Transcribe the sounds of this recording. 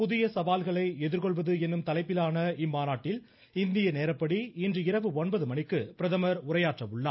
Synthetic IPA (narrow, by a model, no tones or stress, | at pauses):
pʊðɪjɐsɐʋaːlɣɐɭɐɪɛðɪɾkɔɭʋɐðɯɛnːɯmt̪ɐlɐɪpːɪlaːnɐɪmːaːnaːʈːɪl | ɪnd̪ɪjɐneːɾɐpːɐɽiɪndrɯɪɾɐʋɯɔnbɐðɯmɐnɪkːɯpɪɾɐðɐmɐɾʊɾɐjaːʈrɐʋɯɭːa̰ː